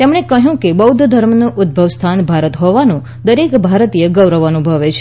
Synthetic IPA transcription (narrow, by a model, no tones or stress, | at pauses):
t̪emɳekəɦjũkebəwd̪ʱəd̪ʱəɾmnuʔʊd̪̚bʱəʋst̪ʰanbʱaɾət̪ɦɔʋanũ | d̪əɾekbʱaɾt̪ijəɡəʋɾəʋanũbʱəʋet͡ʃʰe̥